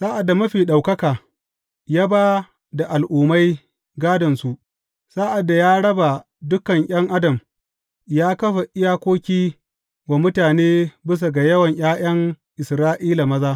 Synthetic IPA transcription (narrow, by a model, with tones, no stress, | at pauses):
saː˦ʔa˨dːa˨mɐ˦ɸiː˨ɗa˨wkɐ˦kaː˨ | jaː˦baː˦ | da˨ʔa˨lʔuː˨ma˦j | ɡaː˦dɐ˨nsu˨ʔ | saː˦ʔa˨dːa˨jaː˦ɽɐ˦ba˨ | dʊ˦kɐ˨ŋʔʲj̰ɐ˦ŋʔa˦dɐ˨m | jaː˦kɐ˦ɸa˨ʔɪ˦jaː˦kʷoː˦kʲiː˦ | wa˨mʊ˦taː˨neː˦bɪ˦s̬a˨ɡa˨jɐ˦wɐ˨ɲʔj̰aː˦j̰ɐ˦ŋ | ʔɪ˨sɾaː˦ʔiː˦la˨mɐ˦zaː˦